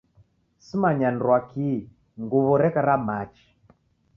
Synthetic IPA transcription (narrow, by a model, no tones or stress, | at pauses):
simaɲanɾwaki | ŋɡuβɔɾɛkaɾamat͡ʃi̥